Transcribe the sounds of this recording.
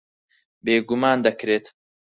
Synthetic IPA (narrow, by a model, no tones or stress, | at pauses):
beːɡumaːnd̪ɐkɾeːt̪